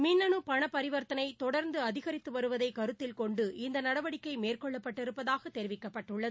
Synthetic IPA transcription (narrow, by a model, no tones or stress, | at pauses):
mɪnːɐnɯpɐɳɐpːɐɾɪʋɐɾt̪ɐnɐɪt̪ɔɽɐɾnd̪ɯɐðɪɣɐɾɪt̪ːɯʋɐɾɯʋɐðɐɪkɐɾɯt̪ːɪlkɔɳɖɯɪnd̪ɐnɐɽɐʋɐɽɪkːɐɪmeːrkɔɭːɐpːɐʈːɪɾɯpːɐðaːɣɐt̪ːɛɾɪʋɪkːɐpːɐʈːɯɭːɐðɯ